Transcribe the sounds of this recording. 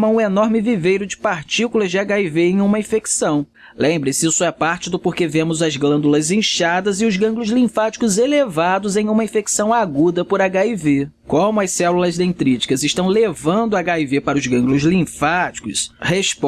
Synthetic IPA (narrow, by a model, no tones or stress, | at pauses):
mɐũenɔɾmɪvivejɾʊd͡ʒɪ̥paɾt͡ʃikulɐzd͡ʒɪaɡaiveẽj̃ũmɐĩfeksɐ̃w̃ | lẽmbɾɪsɪisʊɛpaɾt͡ʃɪd̪ʊpoɾkevẽmʊzɐzɡlɐ̃nd̪ulɐzẽʃad̪ɐzɪʊzɡɐ̃ɡlʊzlĩfat͡ʃi̥kʊzelevad̪ʊzẽj̃ũmɐĩfeksɐ̃w̃aɡud̪ɐpʊɾaɡaive | kõmʊɐsɛlulɐzd̪ẽt̪ɾit͡ʃi̥kɐzɪʃt̪ɐ̃w̃levɐ̃nd̪ʊaɡaivepaɾɐʊzɡɐ̃ŋɡlʊzlĩfat͡ʃi̥kʊshesp